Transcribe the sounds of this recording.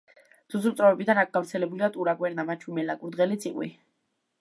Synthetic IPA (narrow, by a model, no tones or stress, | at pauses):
d̪̥usut̪sʼɾɔvɛbid̪anak̚ʰɡ̥afɾt̪sʰɛlɛbuliat̪ʼuɾaɡʼwɛɾnamat͡ʃʰwimɛlakʼuɾd̪ʁɛlit̪sʰiqʼwḭ